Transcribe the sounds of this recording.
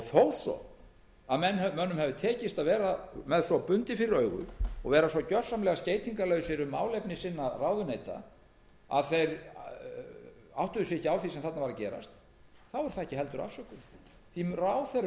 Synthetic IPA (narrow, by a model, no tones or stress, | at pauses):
θoːwθɔ̰ | aðmɛnːhɛmœnːʏmhɛvʏt̪ʰɛːcɪst̪aðvɛːɾamɛðθɔpʏnt̪ɪfɪɾɪɾœːɥɣʏ̰ɔ̰ɣvɛːɾasvɔcœr̥samlɛɣasceːjt̪ʰiŋkalœːɥsɪɾʏmːa̰ːwlepnɪsɪnːaraːwðʏneːjt̪a̰ | a̰ðθejɾ | a̰wht̪ʏðʏsɪhcːawθisɛmθat̪navaɾacɛːɾa̰st̪ | θawɛɾ̥θaðɛhcɪɦɛlt̪ʏɾa̰fsœkʏ | θiraːwθe